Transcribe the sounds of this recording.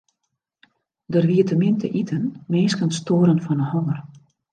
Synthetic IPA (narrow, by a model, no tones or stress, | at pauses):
dərʋiətəmɪntə̰ʔitʰənmeːskənstoːɾənfɔnəhɔŋər